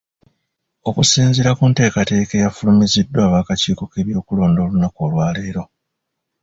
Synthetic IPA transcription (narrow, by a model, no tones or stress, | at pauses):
o̞kusiːnziɾakunte̞ːkate̞ːke̞jafulumizidːwaːβaːkaciːko̞ke̞βjo̞ːkulo̞ːndo̞ːlunako̞ːlwaːleːɾo̞